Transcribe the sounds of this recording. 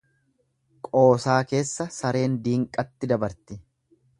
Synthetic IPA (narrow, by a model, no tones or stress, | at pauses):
kʼo̞ːsaːke̞ːsːɐsɐɾe̞ːnd̪iːŋkʼɐt̪ːɪd̪ɐbɐɾt̪ɪ